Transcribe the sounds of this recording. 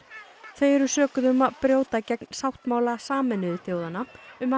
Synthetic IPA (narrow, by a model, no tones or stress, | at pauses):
θejɛɾʏsœːkʏðʏmaðpɾjoːwt̪acɛkn̥sawht̪maːwlasaːmɛnʏðʏθjoːwðanaʏma